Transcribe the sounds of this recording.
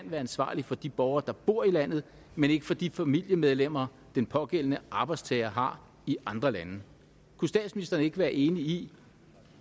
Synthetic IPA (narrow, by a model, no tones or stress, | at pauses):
æn̰ʋæːɐænsʋɑ̰̈ːlifɒ̽d̥ib̥ɒʊɐːd̥ɑ̈b̥o̝ɐ̰ilæn̰ð̞̩ˠ | mene̝ɡ̥əfɒ̽d̥ifæmil̰jəmeð̞ˠlem̰ɐː | d̥enpʰɒ̽ɡ̥el̰ənəʔɑ̈ːb̥ɑ̈ɪdst͡sʰɛːɐɦɑ̈ | iʔɑ̈nd̥ʁɐlænə | kʰusd̥ɛ̰ːd̥sminisd̥ɐnəe̝ɡ̥əʋæːɐʔe̝ːnii